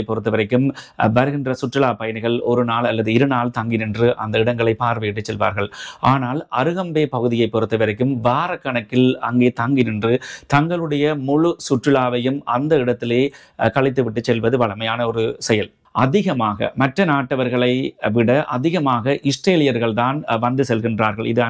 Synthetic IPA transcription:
ɪpːɔɾɯt̪ːɐʋɐɾɐɪkːɯm | ʋɐɾɯɣɪndrɐsʊʈrɯɭaːpɐjɐnɯɣɐɭɔɾɯnaːlɐlːɐðɯɪɾɯnaːlt̪ɐŋɡɪnɪndrɯʔɐ̰nd̪ɐɪɽɐŋɡɐɭɐɪpːaːɾʋɐjɪʈːɯt͡ʃsɛlʋa̰ːɾɣɐɭʔaːnaːlɐɾɯɣɐmbeːpɐɣɯðɪjɐɪpːɔɾɯt̪ːɐʋɐɾɐɪkːɯmʋaːɾɐkːɐɳɐkːɪlɐŋɡeːt̪ɐŋɡɪnɪndrɯt̪ɐŋɡɐɭɯɽɐjɐmʊɻʊsʊʈrɯɭaːʋɐjɯmʔɐnd̪ɐɪɽɐt̪ːɪleː | kɐɭɪt̪ːɯʋɪʈːɯt͡ʃːɛlʋɐðɯʋɐɭɐmɐjaːnɐɔɾɯsɛjɐl | ɐðɪɣɐmaːɣɐ̰mɐʈrɐnaːʈːɐʋɐɾɣɐɭɐɪʋɪɽɐʔɐ̰ðɪɣɐmaːɣɐʔɪʂʈreːlɪjɐɾɣɐɭt̪aːnʋɐnd̪ɯsɛlɣɪndraːɾɣɐɭɪðɯ

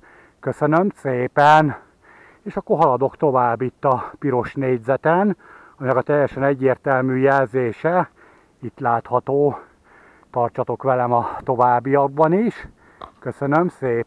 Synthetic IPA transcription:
køsønømseːpɛn | eːʃɒkːorɦɒlɒd̪o̞kt̪o̞vaːbːit̪ːɒpiɾo̞ʃneːɟzɛt̪ɛn | ɒminɛkɒt̪ɛjːɛʃɛnɛɟːeːrt̪ɛlmyːjɛlzeːʃɛ | it̪laːt̪hɒt̪oː | t̪ɒrt͡ʃɒt̪o̞kʋɛlɛmɒt̪o̞vaːbːijɒɡ̚bɒniʃ | kø̞sønømseː

